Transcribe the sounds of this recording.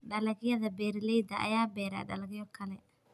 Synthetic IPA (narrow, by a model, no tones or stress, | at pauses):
ɗɐlɐɣɪjɐðɐbɛːɾɪlɛjd̪ɐʔɐ̰jaːbɛːɾa̰ːɗɐ̰lɐɣɪjɔkʰɐlɛ